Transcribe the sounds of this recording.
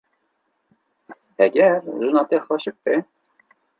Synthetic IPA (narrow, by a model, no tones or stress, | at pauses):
hɛɡɛɾzunɑːt̪ɛxɑʃɨk̚bɛ